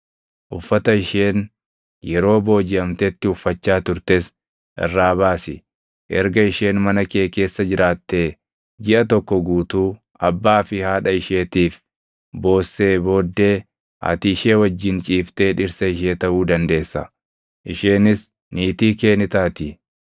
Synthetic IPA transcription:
ʔʊfːɐt̪ɐɪʃeːn | jɛɾo̞ːbo̞ːd͡ʒɪɐmt̪ɛt̪ːɪʊfːɐt͡ʃːaːt̪ʊɾt̪e̞ːs | ʔɛ̰rːaːbaːsɪ | ʔɛ̰ɾɡɐɪʃe̞ːnmɐnɐkeːke̞ːsːɐd͡ʒɪɾʔaːt̪ːeː | d͡ʒɪʔɐt̪ɔkːɔɡuːt̪uː | ɐbːaːfɪhaːᶑɐɪʃe̞ːt̪iːf | bo̞ːsːe̞ːbo̞ːd̪ːe̞ː | ʔɐ̰t̪ɪɪʃe̞ːwɐd͡ʒːɪnt͡ʃʼiːft̪e̞ːᶑɪɾsɐɪʃe̞ːt̪ɐʔuːd̪ɐnd̪e̞ːsːɐ | ʔɪʃe̞ːnɪs | niːt̪iːke̞ːnɪt̪aːt̪ɪ

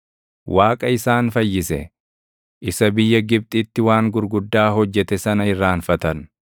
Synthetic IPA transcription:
wʔaːkʼɐɪsaːnfɐjːɪsɛ̰ | ʔɪsɐbɪjːɐɡɪb̚t̪ʼɪt̪ːɪwaːŋɡʊɾɡʊd̪ːaːɦɔd͡ʒːɛt̪ɛsɐnɐɪrːaːnfɐt̪ɐn

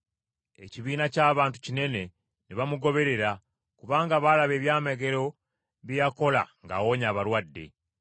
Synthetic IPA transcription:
e̞̰ciβiːnacaːβaːntu̥cine̞ne̞ | neβamuɡo̞βe̞ɾe̞ɾa | kuβaːŋɡaβalaβe̞ːβjaːmeɡe̞ɾo̞ | βijako̞la̰ŋɡa̰ːwo̞ːɲaːβaɾwadːe̞̰

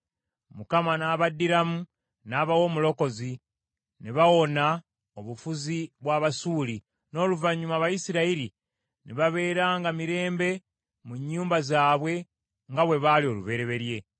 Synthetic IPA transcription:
mukamanaːβadiɾamu | naːβawo̞ːmulo̞ko̞zi | niβawo̞na | oβufuziβwaβasuːli | no̞ːluvaɲumaβajisiɾaiɾi | niβaβe̞ːɾaːŋɡamiɾe̞ːmbe̞ | muɲːuːmbazaːβwe̞ | ŋɡaβwe̞βalio̞ːlṵβe̞ɾe̞βe̞ɾje̞

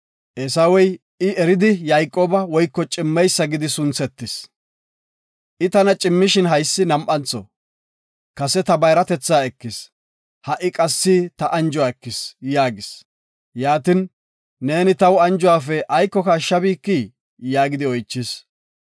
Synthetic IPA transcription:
ʔɛsɐwɔj | ɪʔɛɾɪd̪ɪjajkʼoːbɐwɔjkːɔt͡ʃʼɪmːɛjsːɐɡɪd̪ɪsʊnt͡sɛt̪ːɪs | ʔɪt̪ɐnɐt͡ʃʼɪmːɪʃɪnɦɐjsːɪnɐmʔɐnt͡sːɔ̰ | kɐsɛt̪ɐbɐjɾɐt̪ɛt͡sːaːɛkːɪs | hɐʔɪkʼɐsːit̪ɐʔɐnd͡ʒʊwaːɛkːɪsjaːɡɪs | jaːt̪ɪn | ne̞ːnɪt̪ɐwɐnd͡ʒʊwaːfɛʔɐjkːɔkaʃːɐbiːkːi | jaːɡɪd̪ɪɔjt͡ʃːɪs

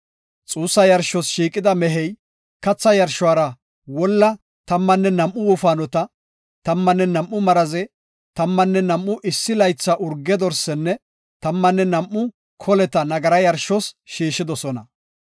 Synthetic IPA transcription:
t͡sʼuːsːɐjɐɾʃɔsʃiːkʼɪd̪ɐmɛɦɛj | kɐt͡sːɐjɐɾʃʊwaːɾɐ | wɔlːɐ | t̪ɐmːɐnːɛnɐmʔʊwʊfaːnɔt̪ɐ | t̪ɐmːɐnːɛnɐmʔːʊmɐɾɐzɛ | t̪ɐmːɐnːɛnɐmʔːʊʔɪsːɪlɐjt͡sːɐʔʊɾɡːɛd̪ɔɾsɛnːɛ | t̪ɐmːɐnːɛnɐmʔːʊ | kʰɔlɛt̪ɐnɐɡɐɾɐjɐɾʃɔsʃiːʃːɪd̪ɔsɔnɐ

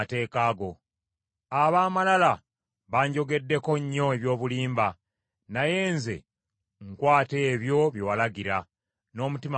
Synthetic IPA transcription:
te̞ːkaːɡo̞ | aβaːmalala | βaːɲɟo̞ɡe̞dːe̞ko̞ɲːo̞eβjo̞ːβuliːmba | naje̞ːnze̞̰ | ŋkwaːte̞ːβjo̞βjowalaɡiɾa | no̞ːmutim

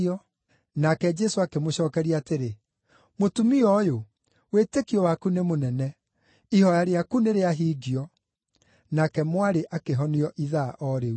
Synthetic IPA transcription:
ɔ | nakɛd͡ʒɛsoakemoɕɔːkɛɾiateɾe | motumiɔjo | wetekiɔwakunemonɛnɛ | ihɔjaɾeakuneɾeaɦiːɡiɔ | nakɛmwaɾeʔakeɦɔniɔʔiðaʔɔɾe

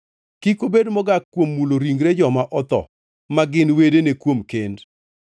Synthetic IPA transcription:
kikobedmɔɡakːwomːuloɾiŋɡɾed͡ʒɔmaʔɔt̪ɔ̰ | maɡɪnwedenekwomkend

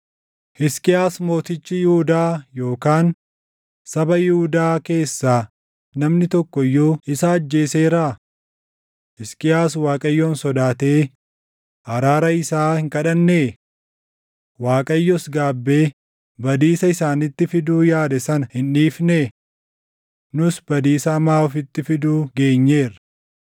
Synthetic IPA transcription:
hɪskʼɪaːsmo̞ːt̪ɪt͡ʃːɪjɪhʊd̪aːjo̞ːkaːn | sɐbɐjɪhud̪aːke̞ːsːaː | nɐmnɪt̪ɔkːɔjːoːɪsɐːd͡ʒːe̞ːseːɾaː | hɪskʼɪjaːswaːkʼɐjːoːnsɔd̪aːt̪eː | ɐɾaːɾɐɪsaːhɪŋkɐᶑɐnːeː | waːkʼɐjːɔsɡaːbːe̞ː | bɐd̪iːsɐɪsaːnɪt̪ːɪfɪd̪uːjaːd̪ɛsɐnɐhɪnᶑiːfne | nʊsbɐd̪iːsɐːmaːɔfɪt̪ːɪfɪd̪uːɡe̞ːɲːe̞ːɾɐ̥

